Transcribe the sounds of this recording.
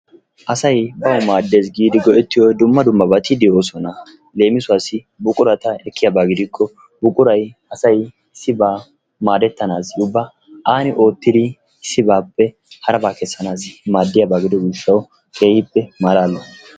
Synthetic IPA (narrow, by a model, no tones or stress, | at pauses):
ʔɐsɐjbɐwmaːd̪ːe̞ːs̬ɡiːd̪ɪɡɔʔɛt̪ːɪjɔd̪ʊmːɐd̪ʊmːɐbɐt̪ɪd̪ɪo̞ːsɔnɐ | le̞ːmɪsʊwaːsɪ | bʊkʼʊɾɐt̪ɐɛkʰːɪjabaːɡɪd̪ɪkʰːɔ | bʊkʼʊɾɐjɐsɐj | sɪbaː | maːd̪ɛt̪ːɐnaːsʊbːɐ | ʔaːnɪʔo̞ːt̪ːɪd̪ɪ | sɪbaːpːɛ | hɐɾɐbaːkɛsːɐnaːsmaːd̪ːɪjabaːɡɪd̪ɔɡiːʃːɐw | kʰeːhɪpːɛmaːɾaːlːɔ